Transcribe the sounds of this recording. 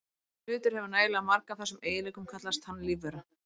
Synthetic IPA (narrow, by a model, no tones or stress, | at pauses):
lʏːt̪ʏɾ̥hɛvʏɾnaːjlaamaɾkaθɛsːʏmeːjɪlɛjkʏmkʰat̪last̪hanːlivɛɾa